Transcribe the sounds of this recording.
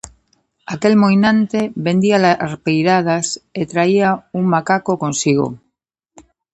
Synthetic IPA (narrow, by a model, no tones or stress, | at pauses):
ake̞lmojnãnt̪eβe̞nd̪ialarpejɾað̞aset̪ɾaiauŋmakakokõ̞nsiɣ̞o̰